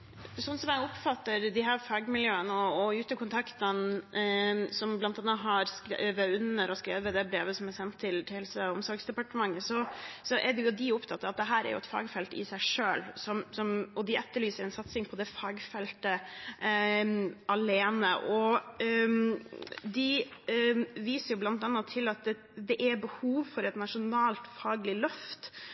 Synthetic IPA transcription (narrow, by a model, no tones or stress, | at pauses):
sɔnːsɔmjæɡʊpfɑt̪ːəɾd̪ɪɦæːɾfɑːɡmɪljøːənəɔɔʉːt̪əkʰʊnt̪ʰɑkt̪ən | sɔmblɑnt̪ɑnːɑɦɑɾskɾeʋəʉnəɾɔskɾeːʋəd̪ɛbɾeːʋəsɔmæsɛnt̪ʰːɪlt̪ʰɪhɛlsəɔmsɔɾɡsd̪ɛpɑʈəmɑŋːəsɔsɔʔɛɖɛjʊd̪ɪʊpt̪ʰɑt̪ːɑʋɑt̪̚d̪ɛɦæːɾæ̰ɾjʊ̰ɛt̪fɑ̰ːɡfɛlt̪ɪ̰sæɪʂøːlsɔmsɔmɔd̪ɪʔɛt̪ːəɭyːsəɾɛɪnsɑt̪sɪŋpʰɔd̪ɛfɑːɡfɛlt̪ə | ɑleːnəʔɔ | d̪ɪ | ʋiːsəɾjʊblɑnt̪ɑnːɑt̪ʰɪlɑt̪̚ | d̪ɛʔæɾbəhuːʋfɔɾɛt̪nɑʂʊnɑːlt̪fɑːɡlɪlœft̪